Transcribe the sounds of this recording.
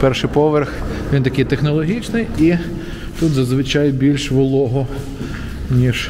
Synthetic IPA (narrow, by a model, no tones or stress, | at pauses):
pɛrʃɪjpɔʋerxʋʲint̪ɐkɪjt̪exnɔlˠɔɦʲit͡ʃnɪji | t̪ut̪zɐzʋɪt͡ʃajbʲilʲʃʋʊlˠɔɦɔ | nʲiʒ